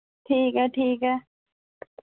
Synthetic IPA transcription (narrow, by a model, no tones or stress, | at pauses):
ʈʰiːkɛʈʰiːkɛ